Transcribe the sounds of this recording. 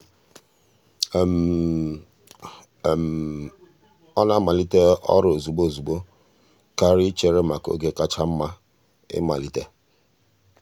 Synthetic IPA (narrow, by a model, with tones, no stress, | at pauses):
m˨ | ɔ˦na˦ma˨li˦te˦ɔ̰˦ɾo˨zu˨bo˦˨zu˨bo˦ | ka˦ɾi˦t͡ʃe˨ɾe˦ma˨ko̰˦ɡe˦ka˦t͡ʃa˦m̩˦ma˦ | ɪ̰˦ma̰˨li˦te˦